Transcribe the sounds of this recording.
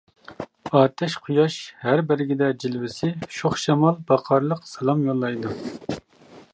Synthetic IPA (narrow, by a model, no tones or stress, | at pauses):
ɑːt̪ʰɛʃqʰujɑʃhæɾbɪɾɪɡʲid̪ɛd͡ʒilvɪsɪʃoχʃɑmɑlˠbɑqʰɑɾlˠəqsɑlˠɑmjolˠːɑjd̪u